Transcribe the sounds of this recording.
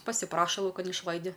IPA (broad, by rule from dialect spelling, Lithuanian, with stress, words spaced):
pɐsʲɪˈprɑːʃɐ lˠɐʊˈkɐn ɪʃˈlˠɐɪdʲɪ